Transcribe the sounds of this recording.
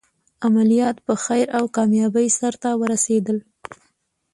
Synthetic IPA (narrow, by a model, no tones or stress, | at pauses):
amalijɑt̪pəxajɾawkɑmjɑbəjsaɾt̪awəɾased̪əl